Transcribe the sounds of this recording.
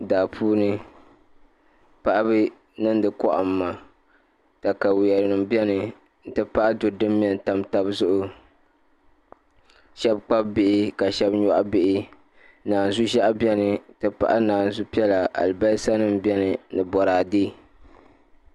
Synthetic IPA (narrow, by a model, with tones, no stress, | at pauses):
da˨ʔpʰuː˦nɨ˦ | pa˦ʔa˦bɨ˦ | nɨ˦n˦dɨ˨kɔ˦ʔa̰˨m̩ː˦a˨ | ta˨ka˨wjɛ˨ɾɨ˨nɨ˨m˦bi˦ɛ˦nɨ˨ | n̩˦tɨ˦pa˦ʔa˦dʊ˨dɨ˦mː˦ɛ˨n˨ta˨mta˦bzʊ˦ʔʊ˦ | ʃɛ˦b̚k͡pa˦b̚bɪ˦ʔɪ˦ka˨ʃɛ˦bɲɔ˦ʔa˦bɪ˦ʔɪ˦ | naː˨n̩˨zu˦ʒɛ˦ʔa˦bjɛ˦nɨ˨tɨ˦pa̰˦˨ʔa˦naː˨n˨zu˦pi˦ɛ˦la˨ʔa̰˨lba˦sa˦nɨ˦m˦bɛ˦nɨ˨nɨ˨bɔ˨ɾaː˨diː˦